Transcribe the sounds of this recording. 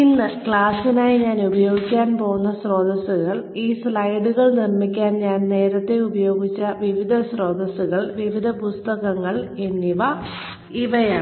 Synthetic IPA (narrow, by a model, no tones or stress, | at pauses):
inːɨkɭaːsinaːjiɲaːnubɐjo̞ːɡikʲːaːnpo̞ːunːɐɕro̞ːd̪ɐsuɣɐɭiːsɭɐjɖuɣɐɭnirmikʲːaːnɲaːnne̞ːɾɐt̪ːe̞ubɐjo̞ːɡit͡ɕːɐʋiʋid̪ʱɐsro̞ːd̪ɐsuɣɐɭʋiʋid̪ʱɐpust̪ɐɣɐŋːɐɭenːiʋɐ | iʋɐjaː